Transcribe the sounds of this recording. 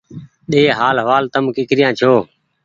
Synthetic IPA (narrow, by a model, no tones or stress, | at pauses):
ɗeːɦaːlɦəʋaːlt̪əmkɪkɾɪjãːt͡ʃʰoː